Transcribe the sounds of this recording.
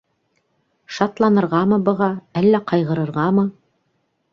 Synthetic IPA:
ʃɑt̪lˠɑnɤ̆ɾʁɑmɤbɤ̆ʁɑælːæqɑjʁɤ̆ɾɤ̆ɾʁɑmɤ

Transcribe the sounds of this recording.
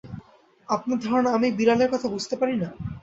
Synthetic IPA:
apnaɾd̪ʱɔɾonaamibiɾaleɾkɔt̪ʰabud͡ʑʱt̪epaɾina

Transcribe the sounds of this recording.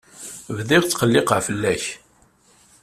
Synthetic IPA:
vðɪʁt͡sːqəlːɪqəʕfəlːæç

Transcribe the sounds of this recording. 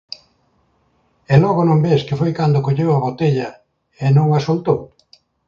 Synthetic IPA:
ɛlɔɣonõmbeskɪfojkand̪okoʎewaβot̪eʎɐ | enõŋasolt̪ow

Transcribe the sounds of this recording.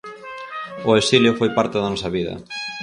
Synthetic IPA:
ʊesiljofojpaɾt̪eðɐnɔsɐβiðɐ̰

